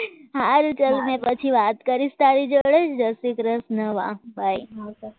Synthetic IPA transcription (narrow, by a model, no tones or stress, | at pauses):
ɦaɾut͡ʃəlmɛ̃pət͡ʃʰiʋat̪kəɾist̪aɾid͡ʒoɽet͡ʃʰd̪əsikɾəsnəʋã̰bʱaj